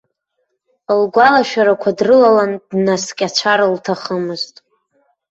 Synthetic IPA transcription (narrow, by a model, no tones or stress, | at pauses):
lɡʷalaʃᶣaɾakʷʰadrɨlalandnaskʲʼat͡ʃʷʰaɾaltʰaχəmɨztʼ